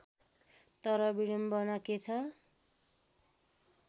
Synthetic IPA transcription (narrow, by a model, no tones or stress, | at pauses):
t̪ʌɾʌbiɽʌmbʌnʌket͡sʰʌ